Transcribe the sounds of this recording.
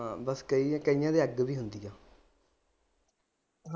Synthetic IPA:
bəskəĩːkəijãːd̪eːəɡbiːɦʊnd̪iːjãː | ɦ

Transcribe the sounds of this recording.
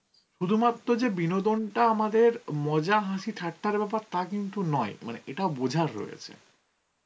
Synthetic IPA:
ʃud̪ʱumat̪ːɾod͡ʑebinod̪onʈaamad̪eɾmɔd͡ʑaɦãʃiʈʰaʈːaɾbɛpaɾt̪akint̪unɔemanḛʔeʈaobod͡ʑʱaɾːo̰jḛt͡ɕʰḛ

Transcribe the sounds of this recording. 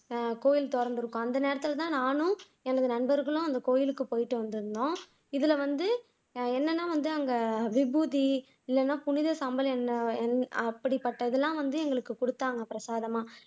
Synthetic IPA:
koːjɪlt̪ɔɾɐɳɖɯɾɯkːʊ̃ɐnd̪ɐneːɾɐt̪ːɯlɐt̪ãːnaːnʊ̃ | ɛnɐɐðɯnɐɳbɐɾɣɐɭʊ̃ɐnd̪ɐkoːjɪlɯkːɯpoːjɪʈːɯʋɐnd̪ɯɾɯnd̪õː | ɪðɪlɐʋɐnd̪ɯ | ɛnːɐnːaːʋɐnd̪ɯɐŋɡɐʋɪbuːði | ɪlːɛnːaːpʊnɪðɐsaːmbɐlɛnːɐɛnɐpːɐɽipːɐʈːɐɪðɛlːãːʋɐnd̪ɯɛŋɡɐɭɯkːɯkʊɽɯt̪ːaːŋɡɐpɪɾɐsaːðɐmaː

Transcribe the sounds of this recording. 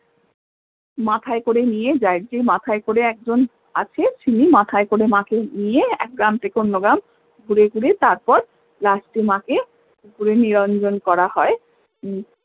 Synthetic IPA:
mat̪ʰaekoɾenijed͡ʑajɾd͡ʑejmat̪ʰaekoɾeɛk̚d͡ʑon | a̰t͡ɕʰet͡ɕʰinimat̪ʰaekoɾemãkenijeɛ̰k̚ɡɾamt̪ekonːoɡam | ɡuɾeɡuɾet̪aɾpɔɾ | lasʈimãke | ɡuɾeniɾɔnd͡ʑonkɔɾahɔe

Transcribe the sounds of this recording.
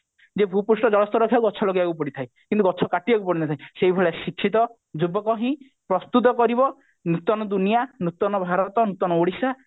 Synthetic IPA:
d͡ʒebʱupusʈɔd͡ʒɔɭɔst̪ɔɾɔkʰjakuɔt͡ʃʰɔlɔɡiakupɔɽit̪ʰajkint̪uɡɔt͡ʃʰɔkaʈibakupɔɽinat̪ʰaĩseibʱɔɭasikʰːit̪ɔ | d͡ʒubɔkɔɦĩ | pɾɔst̪ut̪̬ɔkɔɾibɔ | nut̪ɔnɔd̪unijanut̪ɔnɔbʱaɾɔt̪ɔnut̪ɔnɔoɽisa

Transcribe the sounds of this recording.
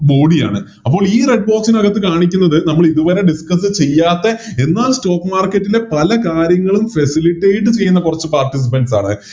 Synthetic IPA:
bo̞ːɽija̰ːɳɨ | ɐpːo̞ːɭiːreɖ̚bo̞ːksinɐɣɐt̪ːɨkaːɳikʲːunːɐðɨnɐmːɐɭiðuʋɐɾe̞ɖiskɐsɨt͡ɕe̞jːaːt̪ːe̞enːaːlsto̞ːkːmaːrkːɐtːile̞pɐlɐkaːɾjɐŋːɐɭumfɐsiliʈːeːjʈ̬ːɨt͡ɕe̞jːunːɐkurɐt͡ɕːɨpaːrʈis̬ipɐnɖsaːɳɨ̰

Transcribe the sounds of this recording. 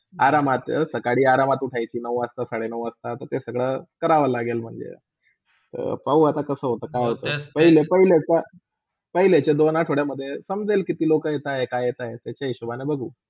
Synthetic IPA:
aɾamat̪ə̰səkaɽiːaɾamat̪uʈʰajt͡ɕiːnəʋəst̪asaɽenəʋəst̪at̪əɾt̪esəɡɭəkəɾaʋəlaɡelm̤əɳd͡zḛ | t̪ə̰ɾpəuat̪akəsəːɦot̪əːkajɦot̪əpəɦilepəɦileka | pəɦilet͡ɕed̪onaʈʰoɽjaməd̪ʱːjesəmd͡zelkit̪iːlokəjet̪aɦekajet̪ajet̪jat͡ɕaiɕubanebəɡʱuː

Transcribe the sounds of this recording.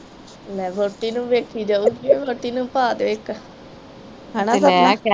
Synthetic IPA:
lɛːboːʈːiːnũːʋeːkʰiːd͡ʒaːuːɡieːboːʈiːnũːpaːd̪eɪːk | ɦɛ̃ːnasɛ

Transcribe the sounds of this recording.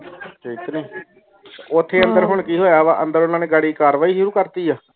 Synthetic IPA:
kiːt̪niː | ʊt̪ʰːeːənd̪əɾɦʊɳkiːɦoːjaːʋaʔə̃nd̪əɾʊnãːneːɡaːɽiːkaːɾʋaːiːʃʊɾuːkəɾt̪iːaː

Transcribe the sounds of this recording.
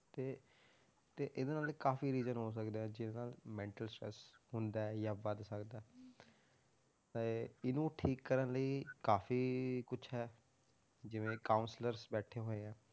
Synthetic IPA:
t̪eː | t̪eːʔɪd̪eːnaːlkaːfiːɾiːzənɦoːs̬əkd̪eːɛ̃ːd͡ʒɪdeːnaːlmɛ̃ːɳʈəlsʈɾɛ̰shʊnd̪aːɛːjãːbəd̪səkd̪aɛ | t̪eɪnũːʈʰiːkːəɾənləiːkaːfiːkʊt͡ʃʰɦɛː | d͡ʒɪʋẽːkaːʊnsləɾsbɛːʈʰeːɦoːeːɛ̃ː

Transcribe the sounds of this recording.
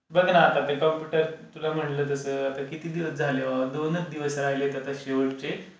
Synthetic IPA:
bəɡnaːt̪at̪ekɔmpjuʈəɾt̪ulam̤əʈləːt̪əsəːat̪akit̪iːd̪iʋəsd͡zʱaleʋd̪onət͡sd̪iʋəsɾajlet̪ət̪aɕeʋəʈt͡ɕe

